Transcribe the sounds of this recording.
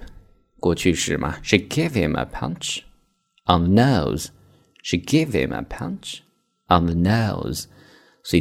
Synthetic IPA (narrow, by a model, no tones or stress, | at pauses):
ɡ̥ot͡ʃʰʉːʃəmʔa̰ʃɪɡɪv̥hɪ̰̃mə̰pʰʌ̰̃nt͡ʃ | ənðənəʊz̥ | ʃiɡɪv̥hɪ̰̃mʔə̰pʰʌ̰̃nt͡ʃ | ʔənðənoʊz̥ | si